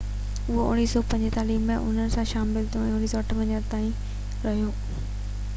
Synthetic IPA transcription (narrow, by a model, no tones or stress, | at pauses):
ʊɦoʊ̰ñiːsɔːpɐ̃ɲd͡ʑet̪aːliːbmẽʔʊ̰n̤ənɪ̆sãʃaːmɪlt̪ʰijõɛ̃ːʊñiːsɔɐʈʰəʋɐ̃ɲənt̪aːĩ | ɾɐɦijoː